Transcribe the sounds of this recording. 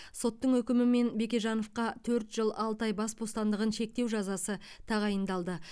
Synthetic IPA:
so̞t̪ːəɴɵkʲɪmɪme̞nbe̞kʲe̞ʒɑno̞fqɑt̪ʰɵɾt̪ʒ̥əlˠɑlˠt̪ɑjbɑsbo̞st̪ɑnd̪əʁənʃe̞k̚t̪e̞wʒɑzɑsət̪ʰɑʁɑjənd̪ɑlˠd̪ə

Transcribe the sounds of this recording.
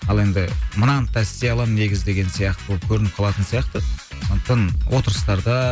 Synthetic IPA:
ɑlˠe̞nd̪ɪmənɑnt̪ʰæsːejɑlˠɑmne̞ɡʲɪzd̪e̞ɡʲensijɑqt̪əbolˠəpkʲʰɵɾɪnɪp̚qʰɑlˠɑt̪ənsijɑqt̪əsoə̥t̪ːɑnwo̞t̪əɾəst̪ɑɾd̪ɑ

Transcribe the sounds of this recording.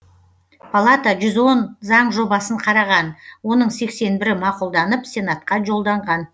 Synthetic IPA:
pʰalˠat̪aʒʏzwo̞nzɑɴʒo̞bɑsəɴqʰɑɾɑʁɑnwo̞nəɴse̞kse̞nbɪɾɪmɑqulˠd̪ɑnəpsʲe̞nat̪̚qɑʒo̞lˠd̪ɑɴʁɑn

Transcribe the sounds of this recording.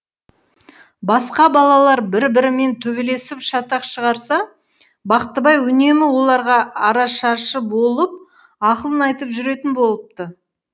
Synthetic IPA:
bɑsqɑbɑlˠɑlˠɑɾbɪɾbɪɾɪme̞nt̪ʰɵbele̞sɪpʃɑt̪ɑqʃəʁɑɾsɑ | bɑqt̪ːəbɑjwɵne̞mɪwo̞lˠɑɾʁɑɑɾɑʃɑʃəbo̞lˠəp̚ | ɑqəlˠənɑjt̪əpʒʏɾe̞t̪ɪnbo̞lˠəp̚t̪ə

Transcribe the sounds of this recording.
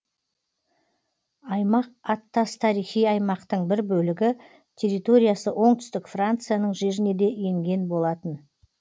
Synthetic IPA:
ɑjmɑq̚ɑt̪ːɑst̪ʰɑɾijχijɑjmɑqt̪əɴbɪɾbɵlɪɡʲɪ | t̪ʲʰe̞ɾːit̪o̞ɾʲijasəʔo̞ɴt̪ʏ̥st̪ɪkfrant̪sɨjanəɴʒe̞ɾɪne̞d̪e̞je̞ŋɡʲe̞nbo̞lˠɑt̪ən

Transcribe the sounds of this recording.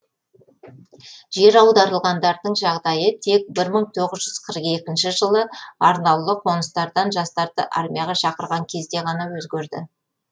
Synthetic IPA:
ʒe̞ɾɑwd̪ɑɾəlˠʁɑnd̪ɑɾd̪əɴʒɑʁd̪ɑjət̪ʰe̞k̚bɪɾməɴt̪ʰo̞ʁəzʒʏz̥qʰəɾəqe̞kʲɪnʃɪʒəlˠəɑɾnɑwlˠəqʰo̞nəst̪ɑɾd̪ɑnʒɑst̪ɑɾd̪ə̰ʔa̰ɾmʲijɑʁɑʃɑqəɾʁɑŋkʲʰe̞zd̪e̞ʁɑnɑwɵzɡʲeɾd̪ɪ

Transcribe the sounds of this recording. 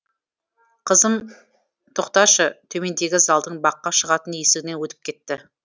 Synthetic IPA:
qʰəzəm | t̪ʰoqt̪ɑʃət̪ʰɵme̞nd̪e̞ɡʲɪzɑlˠd̪əɴbɑqːɑʃəʁɑt̪ənjesɪɡʲɪnewɵt̪ɪ̥p̚kʲʰe̞t̪ːɪ

